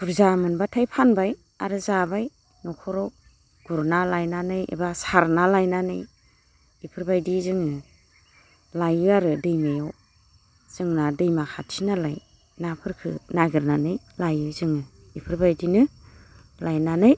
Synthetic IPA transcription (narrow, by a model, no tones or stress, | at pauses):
puɾzamɯnbatʰajpʰanbaj | aɾɯzabaj | nɔkʰɔɾɔw | ɡ̥uɾnalajnanɯjḭbasaɾnalajnanɯj | ipʰɯɾbajdizɯŋɯ | lajɯaɾɯdɯjmajaw | z̥ɯŋnadɯjmakʰatʰinalaj | napʰɯɾkʰɯ̰naɡɯɾnanɯj | lajɯzɯŋɯ | ipʰɯɾbajdinɯ | lajnanɯj